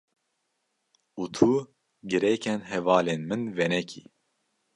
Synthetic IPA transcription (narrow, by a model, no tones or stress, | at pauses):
uːt̪ʰu | ɡɨɾɛkʰɛnɦɛvɑːleːnmɨnvɛnɛkʰḭ